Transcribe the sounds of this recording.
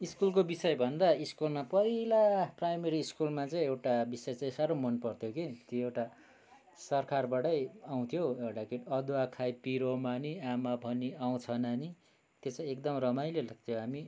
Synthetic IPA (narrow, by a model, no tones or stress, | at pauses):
iskulkobisʌjbʱʌnd̪aiskulmapʌilaprajmeɾiːskulmat͡saĩewʈabisʌjt͡saĩsaɾomʌnpʌrt̪ʰjoket̪joewʈa | sʌrkʰarbaɽʌjaw̃t̪ʰjoewʈakiʈʌd̪wakʰajpiɾomaniamabʱʌniaw̃t͡sʰʌnani | t̪jot͡saĩekd̪ʌmrʌmajlelak̚t̪ʰjoɦami